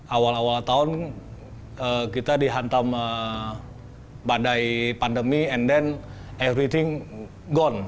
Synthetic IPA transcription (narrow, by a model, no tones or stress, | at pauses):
ʔawalawalt̪aʊn | əkit̪adiɦant̪amə | badajpandəmiɛndɛn | ɛvɾit̪iŋ | ɡɔn